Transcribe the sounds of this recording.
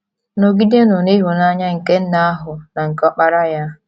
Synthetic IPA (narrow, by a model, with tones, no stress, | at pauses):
no˨ɡi˦de˦nʊ˨ni˦ɦu˨na˦ɲa˦ŋ̩˨ke˦n̩˦na˦a˦ɦʊ˨na˨ŋ̩˨kɔ˦k͡pa˦ɾa˦ja˦